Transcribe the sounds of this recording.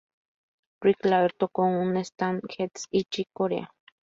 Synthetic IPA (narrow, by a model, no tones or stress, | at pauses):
ɾiklaɾt̪okoŋunest̪anxet̪sit͡ʃikoɾḛa